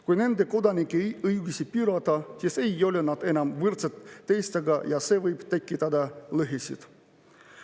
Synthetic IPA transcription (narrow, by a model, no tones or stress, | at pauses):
kujne̞nd̪eko̞d̪ɑnʲikːˑiejɯjɡusʲipyɾɑt̪ɑsise̞jo̞lenɑd̪̥e̞nɑmvɯrt̪set̪ːejst̪ɑɡɑjɑseːvɤjb̥t̪ekːit̪ɑd̪ɑlɯɦesḭd̪̥